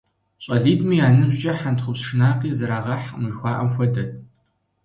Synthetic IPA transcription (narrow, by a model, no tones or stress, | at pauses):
ɕʼɐɮiːdmiːjaːnɨzt͡ʃʼɐħantχʷʊpsʂɨnaːqiːzɐɾaːʁɐħmujxʷɑːʔɐmxʷɔdɐt̚ʰʼ